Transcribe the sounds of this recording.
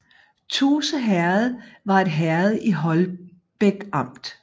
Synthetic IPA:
t͡sʰuːsəɦæɐð̞̩ˠʋɑ̈e̝d̥ɦæɐð̞̩ˠiɦɒ̽l | b̥eɡ̥ɑ̈m̰d̥

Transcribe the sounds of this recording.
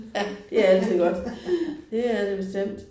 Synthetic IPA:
æd̥eææl̰sʰiɡ̥ɒ̽d̥d̥eæɐdeb̥e̝sd̥em̰d̥

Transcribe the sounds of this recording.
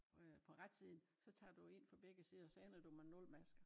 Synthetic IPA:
pʰɒ̽ʁad̥siðˠn̩ | sɒ̽t͡sʰɑ̰̈ːd̥ue̝n̰fɒ̽b̥eɡ̥əsiːð̞ˠɐɒsɒenəd̥umænɔ̽lmæsɡ̥ɐ

